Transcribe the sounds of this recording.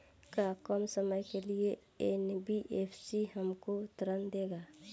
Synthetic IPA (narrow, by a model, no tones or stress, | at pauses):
kakɔmsəməjkelie | enbiʔeːpʰsiɦəmkot̪ɾənd̪eːɡaː